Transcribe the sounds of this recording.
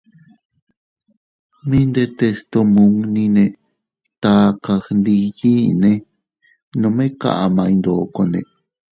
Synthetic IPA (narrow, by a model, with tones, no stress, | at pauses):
mĩ˦nd̪e˧t̪e˧st̪o˧mũ˧˦ŋnĩ˧nẽ˧ | t̪a˧ka˧xnd̪i˧ji˦nẽ˧ | nõ˧mẽ˦ka̰˧ʔa˧mã˧ĩ˧nd̪o˨˧˨ko˧nḛ̃˧˨